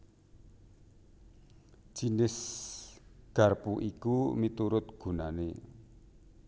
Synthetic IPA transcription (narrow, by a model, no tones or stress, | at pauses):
d͡ʒ̥inɪs | ɡ̥ä̤rpuʔikumit̪uɾʊt̪̚ɡ̥ṳnane